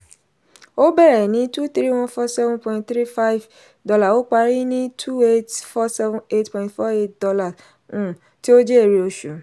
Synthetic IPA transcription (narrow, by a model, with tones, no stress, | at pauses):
o˦bɛ˦ɾɛ˨nĩ˨˦tu˦t̪ɾi˦w̃ɔ̃˦fɔ˦sɛ˦vũ˦pɔ̃˧ĩ˦tt̪ɾi˦fa˦i˦v | dɔ˧la˦˨o˦k͡pa˧ɾi˦nĩ˦tʰu˦e˦tfɔ˦sɛ˦vũ˧e˦tpɔ̃˨ĩ˨tfɔ˦e˦t̚dɔ˧la˨ | ũ˨ | ti˦o˦d͡ʒɛ˦e˦˨ɾi˨˦o˧ʃu˨